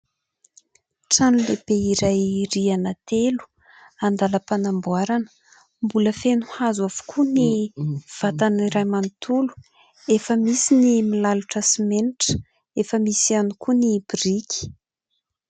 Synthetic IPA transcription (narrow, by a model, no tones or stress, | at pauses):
ʈ͡ʂanulebeiɾajrianat̪elu̥ | and̪aləpanambuaɾanə̥ | mbuləfenuhazwav̥u̥kʰuniv̥at̪aniɾajmanit̪ulu̥ | efəmisinimilaluʈ͡ʂasimeniʈ͡ʂə̥ | efəmisianukunib̥irikʲi̥